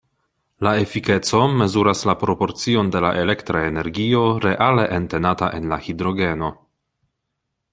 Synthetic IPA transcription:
lae̞fike̞t͡so̞me̞zuɾaslapɾo̞po̞ɾt͡sio̞nde̞la̰ʔe̞le̞ktɾaeneɾɡio̞ɾe̞ʔale̞ʔente̞nataʔe̞nla̰hidɾo̞ɡe̞no̞

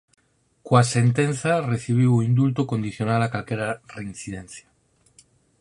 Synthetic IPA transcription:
kwase̞nt̪enθareθiβ̞iwuind̪ult̪okond̪iθjonalakalkeɾareinθið̞ẽnθja

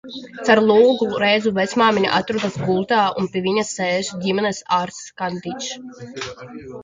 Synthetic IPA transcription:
t̪saɾlˠuːɡuɾɛjzuvɛsmaːminʲiʔa̰t̪ɾud̪asɡulˠt̪aːṵnpiɛvʲiɲasɛːzuɟʲimɛnɛsaːɾskand̪it͡ʃ

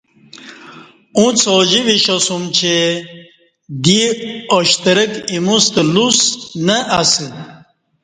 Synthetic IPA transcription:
ũt͡sʰod͡ʑiʋiɕosumt͡ɕʰe | d̪ioɕt̪ɐɾekimust̪lusnəʔasi

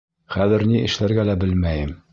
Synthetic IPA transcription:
χæðɘ̆ɾniʔɘ̆ʃlæɾɡælæbɘlmæjɘm

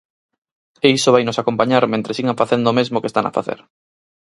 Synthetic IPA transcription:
eisoβajnʊsakompaɲaɾmẽnt̪ɾesiɣaɱfaθend̪omezmʊkest̪ana̰fa̰θḛɾ

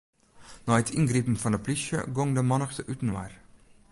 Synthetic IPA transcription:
nɑːɛt̪ʰɪŋɡɾiːpm̩fɑndəpʰlʏʃə̰ɡɔŋd̪əmɑnəʁsəʔʉːt̪n̩ʋæ̰ːɾ

